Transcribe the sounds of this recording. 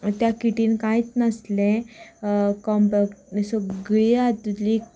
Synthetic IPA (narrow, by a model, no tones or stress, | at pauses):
t̪jakiʈiːnkãjt͡snəslẽ | kɔmpəkʈnisɔɡɭiat̪ːuli